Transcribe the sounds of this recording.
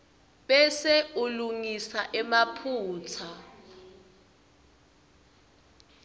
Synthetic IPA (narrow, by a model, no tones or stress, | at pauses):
ɓɛsɛuluŋisaʔɛmapʰuːt͡sʰa